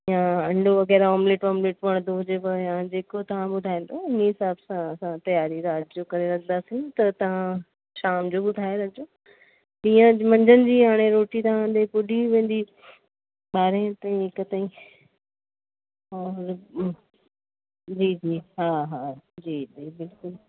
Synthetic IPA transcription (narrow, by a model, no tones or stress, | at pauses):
ɪjãɐ̃ɳɖʱoɐɣɛːɾɔːmleːʈɔːmleːʈʋɐɽ̃d̪oɦʊd͡ʑepɐãd͡ʑeːkot̪ɐʋ̤ãɓʊd̪ʱaːĩːnd̪oɪniɦɪsaːbsãɐsãt̪ɐjaːɾiɾaːd͡ʑd͡ʑokɐɾeɾɐkʰnd̪asĩt̪ɐt̪ɐʋ̤ã | ʃaːmd͡ʑoɓʊd̪ʱaːjoɾɐk̚d͡ʑoː | ɗĩːə̃mɐ̃ɲd͡ʑənɪ̆d͡ʑiːɦaːɽ̃eɾoːʈit̪ɐʋ̤ãd̪epʊɗiʋẽːnd̪i | ɓaːɾẽt̪aːĩɦɪkət̪aːĩ | ɔːɾ | d͡ʑiːd͡ʑiːɦaːɦaːd͡ʑiːd͡ʑiːbɪlkʊl